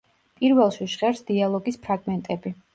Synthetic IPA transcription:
pʼiɾvɛlˠʃiʃʁɛɾsd̪̥ialˠɔɡispʰɾaɡmɛnt̪ʼɛbi

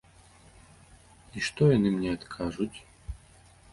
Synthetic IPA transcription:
iʂt̪ɔjɐnɨmnʲɛɐt̪kʰaʐʊtʲ

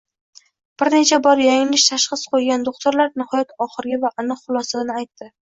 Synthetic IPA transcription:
b̥ɪɾne̞t͡ʃʰabɒɾjajɪlɪʃt̪ʰaʃχɨsqʰojɡʲand̪oχt̪ʰʊɾlaɾnɪhɒjat̪ɒχɨɾɡʲavaʔanɨqχʊlˠɒsanɪajt̪ːɪ

